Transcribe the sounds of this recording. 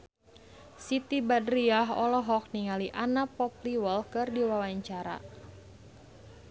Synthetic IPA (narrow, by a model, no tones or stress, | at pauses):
sit̪ibadɾiaɦɔlɔɦɔk̚niŋaliʔanapɔp̚liwəlkɨrdiwawaɲt͡ʃaɾa̰